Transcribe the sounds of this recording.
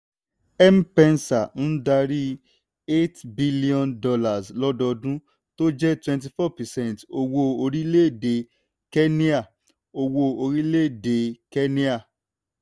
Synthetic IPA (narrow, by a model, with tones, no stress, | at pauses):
ɛ˦m̩˦pɛ̃˧nsa˨n̩˦da˧ɾi˦ | e˦tbi˦li˦ɔ̃˧˨ndɔ˧la˨slɔ˦dɔ˧dũ˦ | to˦d͡ʒɛ˦twɛ̃˧nt̬i˨fɔ˦˨pɛ˨sɛ̃˦n˨to˧wo˧o˧ɾi˦le˦˨de˨ | kɛ˦nĩ˦a˦˨ | o˧wo˧o˧ɾi˦le˦˨de˨kɛ˦nĩ˦a˦˨